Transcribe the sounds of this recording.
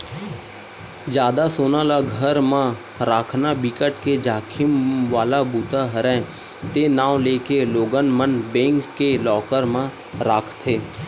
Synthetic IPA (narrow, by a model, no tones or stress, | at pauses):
d͡ʒjaːd̪asoːnãlaɡʱəɾmã | ɾaːkʰnabɪkəʈked͡ʒaːkʰɪmʋaːlabuːt̪aɦəɾɛ̃ | t̪enaːʋleːkeloːɡənmənbẽːŋkːelɔːkəɾmã | ɾaːkʰt̪ʰeː